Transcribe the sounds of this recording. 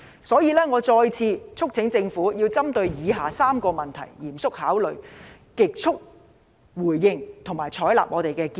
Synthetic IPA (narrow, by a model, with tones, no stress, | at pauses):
sɔː˨˥jiː˨˧lɛː˥ŋɔː˨˧t͡sɔː˧jt͡sʰiː˧t͡sʰʊ˥k̚t͡sʰɪ˨˥ŋt͡sɪ˧ŋfuː˨˥jiː˧wt͡sɐ˥mt̪ɵ˧ɥjiː˨˧ɦaː˨saː˥mkɔː˧mɐ˨˩nt̪ʰɐ̰˨˩jjiː˨˩msʊ˥k̚haː˨˥wlɵ˨ɥ | kɪ˨k̚t͡sʰʊ˥k̚ | wuː˨˩jːɪ˧ŋt̪ʰʊ˨˩ŋmaː˨˩jt͡sʰɔː˨˥jla̰ː˨p̚ŋɔː˨˧t̪e˨jkɛː˧ki˧